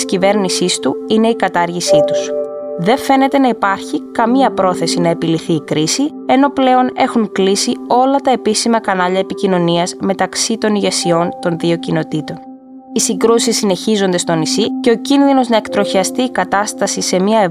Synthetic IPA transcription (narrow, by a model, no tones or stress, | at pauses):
scive̞ɾnisist̪uine̞ikɐt̪ɐɾʝisit̪u̥sðe̞ɱfe̞ne̞t̪e̞nɐipɐɾçikɐmiɐpɾo̞θe̞sinɐe̞piliθiːkɾisi | e̞no̞ple̞o̞ne̞xuŋklisio̞lɐt̪ɐe̞pisimɐkɐnɐʎɐepicino̞niɐzme̞t̪ɐksit̪o̞niʝe̞sio̞nt̪o̞nðio̞cino̞t̪it̪o̞n | isiŋɡɾusisːine̞çizo̞nd̪e̞st̪o̞nisice̞o̞cinðino̞znɐe̞kt̪ɾo̞çiɐst̪iːkɐt̪ɐst̪ɐsise̞miɐe